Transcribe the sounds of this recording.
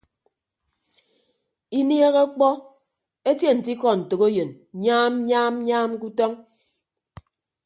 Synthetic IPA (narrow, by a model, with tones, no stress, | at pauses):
i˦nje˦ɣe˦k͡pɔ˦ | e˦tje˦˨n̩˨ti˦kɔ˨n̩˨tɨ˨ɣo˦jɨ˨n | ɲaː˦m˦ɲaː˦m˦ɲaː˦m˦ku˦tɔ˦ŋ